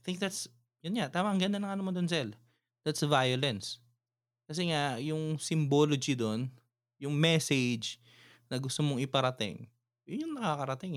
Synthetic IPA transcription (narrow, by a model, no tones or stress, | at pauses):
ajt̪θɪ̃ŋk̚d̪at̪s | jʊnŋat̪aːmɐŋɡɐnd̪ɐnɐŋʔɐnomod̪ons̬ɛl | d̪̥at̪svajolɛns | kɐs̬ɛŋajʊŋsɪmboːlod͡ʒɪd̪on | jʊŋmɛsɛd͡ʒ | nɐɡʊst̪omoŋɪpɐɾɐt̪ɪ̰ŋ | jʊnjʊŋnɐkakɐɾɐt̪ɪŋ